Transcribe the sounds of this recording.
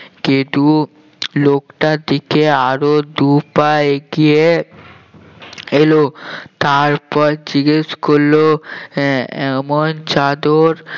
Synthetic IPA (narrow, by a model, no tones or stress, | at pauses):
kint̪u | lokʈaɾd̪ikeaɾod̪upaeɡie | elot̪aɾpɔɾd͡ʑiɡeʃkolːo | ɛmont͡ɕad̪oɾ